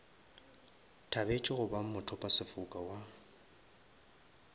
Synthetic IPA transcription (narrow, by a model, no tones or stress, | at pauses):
tʰabet͡ʃʼɪɣʊbam̩mʊtʰɔpʼasɪfʊkʼawa